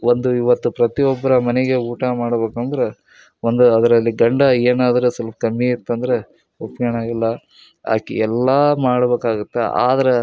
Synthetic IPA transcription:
ond̪uiʋɐt̪ːupɾɐt̪iɔbːɐɾɐmɐneɡe̞uːʈamaːɽɐbeːkɐnd̪ɐɾe̞ | ond̪uɐd̪ɐɾɐlːiɡɐɳɖɐeːnaːd̪ɐɾesɐlpɐkɐmːiit̪ːɐnd̪ɐɾe̞ | opɡɐɳaːɡilːɐ | a̰ːkḭɛlːaːmaːɽɐbeːkaːɡut̪ːe̞a̰ːd̪ɐɾe

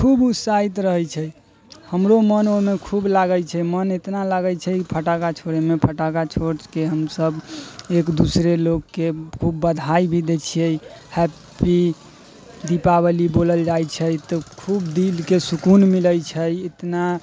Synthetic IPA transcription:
kʰubusait̪ɾəɦət͡ʃʰɛ | həmɾomənoɦmekʰublaɡəjt͡ʃʰɛmənet̪nalaɡət͡ʃʰɛipʰəʈakat͡ʃʰoɾemepʰəʈakat͡ʃʰoɾt͡ʃkeɦəmsəbekd̪usɾeloɡkekʰubːəd̪ʱaibʱid̪et͡ʃʰijɛjhɛ | pi | d̪ipabəliboləld͡ʒajt͡ʃʰət̪ɔkʰubd̪ilkesukunmiləjt͡ʃʰəjet̪na

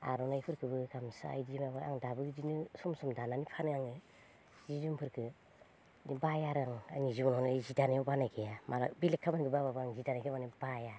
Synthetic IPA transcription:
a̰ɾɔnajpʰɯɾkʰɯbɯkamsaa̰jdimabaa̰ŋdabɯɡd͡ʒinɯsɔmsɔmdananipʰanɯaŋɯ | zizumpʰɯɾkʰɯ | nibajaɾaŋa̰ŋizibɔnnazidanajɔbanajkejamʔala̰bilekʰːamanɡɯbababaɾaŋzidanakʰɯmanibaja

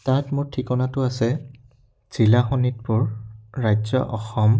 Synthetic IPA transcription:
tãtmʊɹtʰikɔnatʊasɛ | z̥ilaxɔnit̚pʊɹɹajzɔ̰ʔɔxɔm

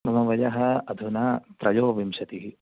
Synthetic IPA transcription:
mɐmɐʋɐjɐɦɐ̆ɐd̪ʱunaːt̪ɾɐjoːʋimʃɐt̪iɦi

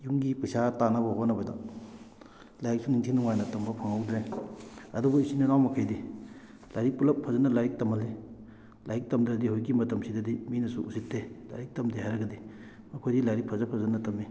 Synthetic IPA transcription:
juŋɡipɐsatanɐbɐɦonɐbɐdɐ̰ | lajik̚suniŋtʰiŋnuŋajnɐtɐmbɐpʰɐŋawdɾe | ɐdubɐisinilawmɐkʰajdi | lajɾik̚pulɐpʰːɐzɐnːɐlajik̚tɐmɐli | lajik̚tɐmdɾɐdihojɡimɐtɐmsidɐdiminɐsuʔusitʰːela̰jɾik̚tɐmdehajɾɐɡɐdi | mɐkʰojdilajɾik̚pʰɐzɐpʰːɐzɐnːɐtɐmːi

